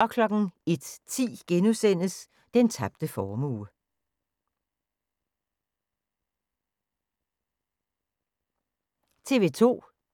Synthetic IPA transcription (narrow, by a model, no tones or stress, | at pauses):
ɒ̽kʰlɒ̽ɡ̥n̩e̝d̥t͡sʰḭːɡ̥enusen̰əs | d̥ent͡sʰɑ̈b̥̚d̥əfɒːmuː | t͡sʰe̝ʋe̝ːt͡sʰo̝̰ː